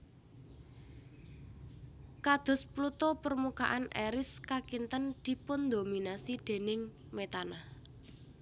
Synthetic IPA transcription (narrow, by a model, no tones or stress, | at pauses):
kad̪̥ɔ̤splut̪ɔpərmukaʔanʔɛɾɪskakint̪ənd̪̥i̤pʊnd̪ominasid̪̥e̤nɪŋ | met̪anah